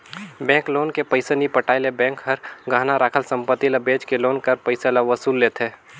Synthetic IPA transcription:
bɛ̃ːŋkloːnkepəɪsenipəʈaːɪlebɛ̃ːŋkɦəɾɡʱaːnaɾaːkʰəlsə̃mpət̪ːiləbeːd͡ʒkeloːnkəɾpəɪselaʋəsuːlːeːt̪eː

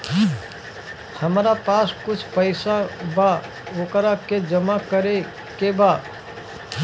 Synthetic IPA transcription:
həmɾapaːskʊt͡ʃʰpəɪsaba | okɾaked͡ʒəmakəɾe | keba

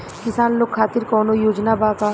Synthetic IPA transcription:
kɪsaːnloːkʰːaːt̪ɪɾkɔːnojoːd͡ʒnabaːkaː

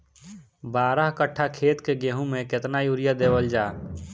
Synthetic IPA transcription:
baːɾəɦkəʈʰːakʰeːt̪keɡeːɦũmẽket̪najuːɾijad̪eːwəld͡ʒaː

